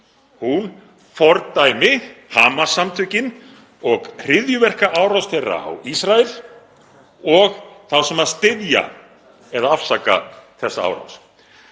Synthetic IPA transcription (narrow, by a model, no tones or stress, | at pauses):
hun | fɔɾt̪aːjmɪhaːmasamt̪ʰʏcɪn | ɔɣr̥ɪðjʏvɛr̥kaʔaːwɾawsθɛjra̰a̰wisɾaɪl̥ | ɔɣθawsɛmaðst̪ɪðja̰ | ɛðaafsaka̰θɛsːaa̰ːwɾa̰ws